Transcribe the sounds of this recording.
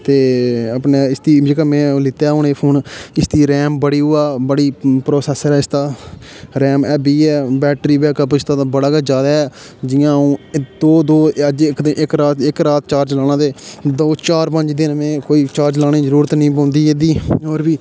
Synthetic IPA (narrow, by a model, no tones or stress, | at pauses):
t̪eːəpneːɪst̪iːd͡ʒeːkaːmɛ̃ːlɪt̪aːɦʊneːpʰoːnɪst̪iːɾɛːmbəɽiːɦʊaːbəɽiːpɾoːsɛːsəɾɛːɪst̪aːɾɛːmɛːbiːɛːbɛːʈɾiːbɛːkəpɪst̪ãːbəɽaːɡad͡ʒjaːd̪aːɦɛː | d͡ʒɪjãːũːd̪oːd̪oːəd͡ʒkd̪ɪʔɪkɾaːt̪ɪkɾaːt̪̚t͡ʃaːɾd͡ʒlaːñãːt̪eːd̪oːt͡ʃaːɾpəɲd͡ʒd̪ɪnmẽːkoːiːt͡ʃaːɾd͡ʒlaːnĩːzəɾuːɾət̪nəĩːp̬ãːnd̪iːed̪iːoːɾbiː